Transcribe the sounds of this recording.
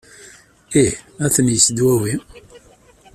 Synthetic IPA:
ihæθənjəsd̪wæwi

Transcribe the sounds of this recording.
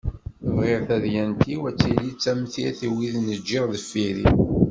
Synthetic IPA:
əvʁɪʁθæðjænt̪iwæt͡sːilit͡sːæmθiæθiwiðnəd͡ʒːiʁðəfːiɾi

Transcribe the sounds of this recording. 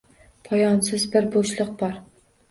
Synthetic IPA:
pʰɒjɒnsɪzbɪɾboʃlˠɨq̚bɒɾ

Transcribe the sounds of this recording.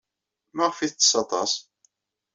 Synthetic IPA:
mæʁfiθt͡s̪ːsɑt̪ˤɑ̰s

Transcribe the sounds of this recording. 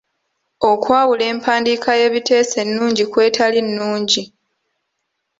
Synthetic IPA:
o̞kwaːwule̞ːmpʰaːndikaje̞ːβite̞ːse̞nːuːɲɟikwe̞ːtʰalinːuːɲɟi

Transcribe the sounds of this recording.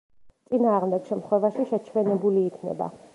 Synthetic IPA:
t̪sʼinaːʁmd̪ɛɡ̥ʃɛmt̪χwɛvaʃiʃɛt͡ʃʰwɛnɛbuliːkʰnɛ̰ba̰

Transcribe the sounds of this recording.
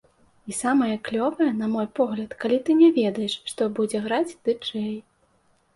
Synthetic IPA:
isamɐjɐklʲɔvɐjɐnɐmɔjpɔɣlʲɐt̪kalʲit̪ɨnʲɛvʲɛd̪ɐjɛʂʂt̪ɔbud͡zʲɛɣɾat͡sʲd̪̥ɨt͡ʂɛj

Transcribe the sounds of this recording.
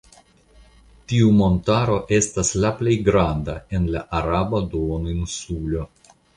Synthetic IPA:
tiumo̞ntaɾo̞ʔe̞staslaple̞jɡɾand̪ae̞nlaʔaɾabad̪ooninsulo

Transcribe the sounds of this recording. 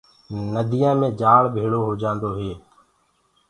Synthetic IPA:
nəd̪ʱijãːmẽːd͡ʒaːɭbʱeːɭoːɦoːd͡ʒãːnd̪oːɦeː

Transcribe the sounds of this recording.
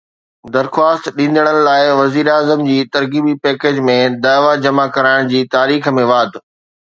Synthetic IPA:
d̪ɐɾxwaːst̪ɗĩːn̆d̪əɽ̃ənɪ̆laːɪʋɐziːɾaːzəmd͡ʑiːt̪ɐɾɣiːbipɛːkeːd͡ʑmẽd̪aːʋad͡ʑɐmakɐɾaːɪɽ̃d͡ʑiːt̪aːɾiːxəmẽʋaːd̪ʱ

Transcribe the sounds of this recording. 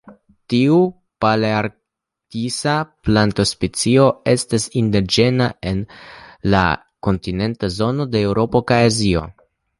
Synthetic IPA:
tiu | paleaɾ | kisaplantospet͡sio̞e̞stasindid͡ʒe̞nae̞nla̰ | ko̞ntine̞ntazo̞no̞de̞ːwɾo̞po̞kajazio̞̰

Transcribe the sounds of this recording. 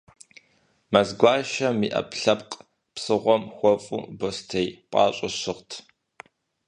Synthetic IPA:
mɐzɡʷaːʃɐmḭːʔɐ̰pɬɐpqʼ | psɨʁʷɔmxʷɔfʼṵbostʰejpʼɑːɕʼɪʃɨʁtʰ

